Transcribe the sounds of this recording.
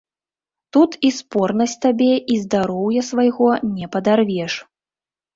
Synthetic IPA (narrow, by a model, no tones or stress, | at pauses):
t̪ut̪ispɔrnɐsʲtʲt̪abʲɛʔizd̪aɾɔwjɐsvajɣɔnʲɛpɐd̪arvʲɛʂ